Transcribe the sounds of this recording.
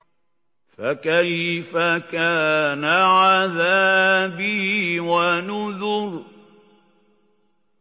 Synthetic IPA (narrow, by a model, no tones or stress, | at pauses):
fakajfakaːnaʕaðaːbiiwanʊðʊɾ